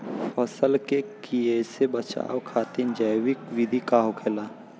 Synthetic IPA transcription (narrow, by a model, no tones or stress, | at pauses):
fʰɔsəlkekiesebət͡ʃa̰ːwkʰaːt̪ind͡ʒəjwɪkwɪd̪ʱikaːɦokʰɛːlaː